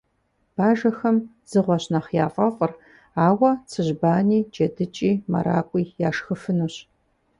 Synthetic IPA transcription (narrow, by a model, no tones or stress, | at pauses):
b̥aːʒɐxɐm | z̥ɨʁʷɔɕnaχjaːfʼɐfʷʼʊr | aːwɐt͡sʰɨʑbaːniːd͡ʒʼɐdɨt͡ʃʼiːmɐ̰ɾa̰ːkʷʼiːjaːʂxɨfɨnuɕ